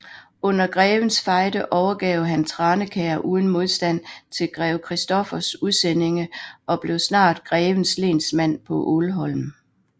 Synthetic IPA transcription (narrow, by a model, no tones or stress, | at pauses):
ɔ̽n̰ɐɡ̥ʁɛːʋən̩sfɑ̈ɪd̥əʔɒʊɐɡ̥ɛʊɦænt͡sʰʁɑ̈ːnəkʰɛːɐʔuːð̞ˠn̩mo̝ð̞ˠsd̥æn̰t͡sʰe̝lɡ̥ʁɛːʊkʰʁɛsd̥ɒ̽fɐsuðˠsen̰e̝ŋəʔɒ̽b̥le̝ʊsnɑ̰̈ːd̥ɡ̥ʁɛːʋən̩sle̝̰ːnsmæn̰pʰɒ̽ʔolɦɒ̽lm